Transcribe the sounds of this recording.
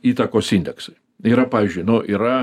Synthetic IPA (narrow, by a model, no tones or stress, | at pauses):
iːt̪ɐkoːsinʲd̪ʲɛksɐɪ | iːɾɐpɑːʋʲizʲd͡ʒʲʊɪjnʊʔiːɾɐ